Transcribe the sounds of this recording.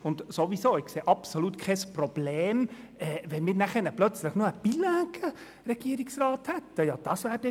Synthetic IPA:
ʊndsovisoːɪkseːʔɑpsolutkʰɛsprɔb̥leːm | ɛːvɛnmiːɾnæχənəplœt͡sləχnuːəb̥ilæːɡ̥ə | rɛɡ̥iːɾɪksrɑːthɛtːəjɑːd̥ɑsvæːɾd̥ɛ

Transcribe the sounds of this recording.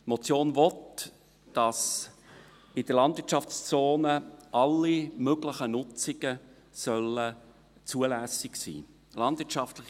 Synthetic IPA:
mɔt͡sjoːnvɔt | d̥ɑs | ɪd̥əlɑndvɪt͡ʃʃɑft͡st͡soːnəʔɑlːimøɡlɪχənʊt͡sɪɡ̥ə | sœlə | t͡suəlæsɪksḭː | lɑndvɪt͡ʃɑftlɪχ

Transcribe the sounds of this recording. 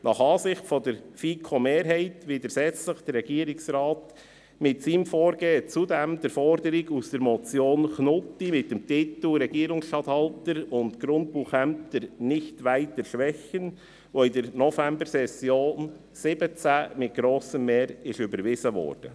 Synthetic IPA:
nɑχɑːsɪxtfɔdəɾfiːkʰomeːɾɦɛɪtʋɪdəɾsɛt͡sləχd̥əɾɾɛɡ̥iːəɾɪksɾɑːt | mɪtsiːmfɔːɾɡeːt͡sudɛmd̥̪əɾfɔɾdəɾiɡusd̥əɾmɔt͡sjoːnknʊtːimɪt̚ːəmtɪtl̩ɾɛɡ̥iəɾʊŋsʃtɑthɑltəɾʊntɡɾʊnt̚puχɛmtəɾnɪçtʋæɪtəɾʃʋɛçən | ʋoɪdəɾnɔfæmbəɾsɛsjoːn | sɪb̥ət͡sæmɪt̚ɡ̥ɾoːsəmːeːɾɪʃʏbəɾʋɪzəʋɔ̰ːɾd̥ə̰

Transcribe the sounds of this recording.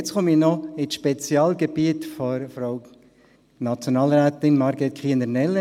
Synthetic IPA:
t͡sχɔmɪnɔɪsʃpet͡sjɑːlɡebiətfɔɾfɾoʊ | nɑt͡sjonɑːlɾæːt̪ɪnmɑɾɡɛt̪kʰχiːnəɾnɛlːə

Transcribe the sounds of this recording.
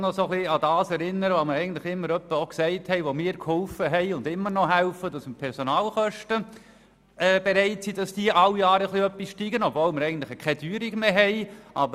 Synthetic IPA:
nɔsoχliɑdɑːsɛɾɪnːəɾəʋoməɾɛɪɡn̩tlɪχɪmːəɾœpːəoksɛɪthɛɪʋomɪːɾkʰhɔlfəɦɛɪʊndɪmːəɾnɔɦæʊfədɑsmpʰɛɾsonɑːlχœʃtə | ʔɛːb̥eɾɛɪtsid̥ɑsd̥iːəʔɑlːiɑːɾəχliœpːisʃtiːɡənɔbvoːlməɾɛɪɡn̩tlɪχəkʰɛdyːɾiɡmeːɦɛɪʔɑbə

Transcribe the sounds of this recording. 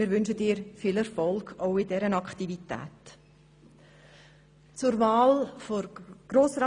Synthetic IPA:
ɪːɾʋʏnʃədɪːɾfiːlɛɾfɔlˠɡoʊɪdɛɾənɑkχtivitæ̰ːt | t͡sʊɾvɑːlfoɾɡ̥ɾoːsrɑ

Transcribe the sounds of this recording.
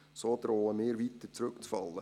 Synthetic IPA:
sod̪əɾoːləmeːɾʋit̪ət͡sɾɵkt͡sfɑlːə

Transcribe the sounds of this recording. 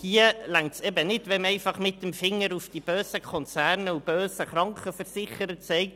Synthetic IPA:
hiːəlæŋtsɛbənɪdʋɛmɛɪfɑχmɪtːəmfɪŋːəɾufd̥ib̥øːsəkʰχɔnt͡sæɾnəub̥øːsəχrɑŋkχəfəɾsɪχəɾətsɛɪk̚

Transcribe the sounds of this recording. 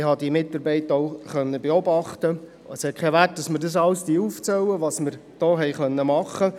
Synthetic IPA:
hɑd̪iəmɪt̪ːɑɾbɛɪtoʊχœnːəbeɔbɑχt̪ə | ɛshɛt̚kʰɛʋæt̚d̥ɑsməɾdɑs̬ɑlsd̥iəuft͡sɛwəʋɑsməɾd̥oːɦɛɪχœnːəmɑχːə

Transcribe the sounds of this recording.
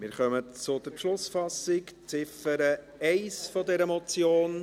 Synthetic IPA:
mɪːɾχœmət͡sʊdəɾpʃlʊsfɑsɪkt͡sɪfəɾə | ɛɪsfɔdɛɾəmɔt͡sjoːn

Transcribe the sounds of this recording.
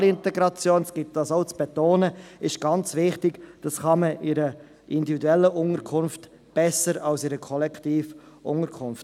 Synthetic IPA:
lɪntɛɡɾɑt͡sjoːnsɡ̥ɪt̚d̥ɑsoʊt͡sb̥ɛt̪oːnəɪʃɡ̥ɑnt͡sʋɪχtɪɡ̥d̥ɑsχɑməʔɪɾə | ʔɪndividuɛlːəʔʊŋəɾkʰʊnft | b̥ɛsəɾɑlsɪɾəkʰɔlɛktiːf | ʔʊ̰ŋəɾkʰʊnft

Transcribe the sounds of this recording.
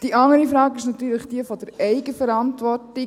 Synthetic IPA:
d̥iʔɑŋəɾifɾɑːkɪʃnɑt̪yːɾləχd̥iəfɔd̥əɾɛɪɡəfɛɾɑntʋɔɾtɪ

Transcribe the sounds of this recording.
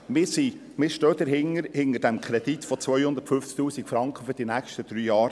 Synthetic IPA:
mɪsi | mɪːʃtøːd̪əɾɦɪŋəɾhɪnəɾd̥æmkʰɾɛd̥̪it̪fɔt͡sʋœjhʊnd̪ətfɵft͡sk̚t̪uːsikfɾɑŋkχəfyd̥inækʃtəd̥ɾyːjɑːɾ

